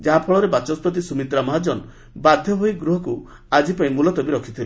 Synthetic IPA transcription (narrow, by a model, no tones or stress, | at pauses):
d͡ʒaɦapʰɔɭɔɾebat͡ʃɔspɔt̪̬isumit̪ɾamɔɦad͡ʒɔn | bad̪ʱjɔɦojɡɾuɦɔku | ad͡ʒipaĩmulɔt̪ɔbiɾɔkʰit̪ʰile